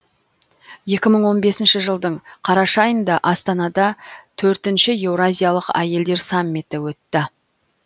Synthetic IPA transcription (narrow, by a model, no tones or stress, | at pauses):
je̞kʲɪməɴwo̞nbe̞sɪnʃɪʒəlˠd̪əɴqʰɑɾɑʃɑjənd̪ɑʔɑst̪ɑnɑd̪ɑt̪ʰɵɾt̪ɪnʃɪe̞vɾazʲijalˠəqæ̰je̞ld̪e̞ɾsɑmːit̪ɪwɵt̪ːɪ